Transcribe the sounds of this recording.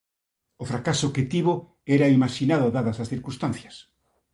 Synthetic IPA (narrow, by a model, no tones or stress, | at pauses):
ofɾakasoket̪iβo | ɛɾaimaʃinaðʊaðaðɐsasθiɾkũnst̪ãn̟θjɐs